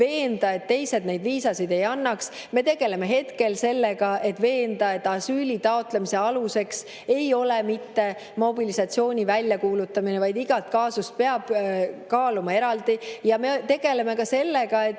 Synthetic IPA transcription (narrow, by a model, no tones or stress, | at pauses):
ve̞ːnd̪̥ɑe̞t̪ːe̞jse̞d̪ne̞jd̪viːsɑsid̪e̞jɑnːɑks | me̞t̪e̞ɡ̥e̞leme̞ɦe̞t̪ke̞lse̞lːeɡɑe̞t̪ve̞ːnd̪ɑe̞t̪ːˑɑsyːlʲit̪ɑo̞t̪ˑlemise̞ɑluse̞ks | e̞jo̞lemit̪ːe̞ | mo̞bilisɑt̪sio̞ːnʲivælʲjɑkuːlut̪ːˑɑminevɑjd̪iɡ̥ɑlt̪kɑːsust̪̚pe̞ɑb̥kɑːlumɑe̞ɾɑld̪ijɑme̞t̪e̞ɡ̥e̞le̞me̞kɑse̞lːe̞ɡ̥ɑe̞t̪ː